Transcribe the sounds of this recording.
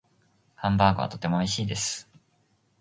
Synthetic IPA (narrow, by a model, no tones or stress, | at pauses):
hãmbaːɡoβa̰t̪o̞t̪e̞mo̞iɕiːd̪e̞sɨ̥